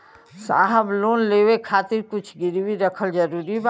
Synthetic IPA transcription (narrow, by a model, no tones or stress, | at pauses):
sa̰ːɦəbloːnlewekʰaːt̪ɪɾkʊt͡ʃʰɡɪɾwiɾəkʰəld͡ʒəɾuːɾiba